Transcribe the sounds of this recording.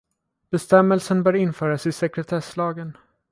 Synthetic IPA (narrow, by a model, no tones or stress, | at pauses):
b̥ɛst̪ɛmːəlsənbœːɾɪnfœːɾasɪsɛkɾɛt̪ʰɛʂlɑːɡən